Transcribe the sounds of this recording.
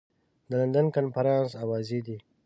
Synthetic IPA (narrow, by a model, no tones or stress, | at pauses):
d̪əlɐnd̪ənkanfɐɾɑ̃ːnsawɑːzid̪i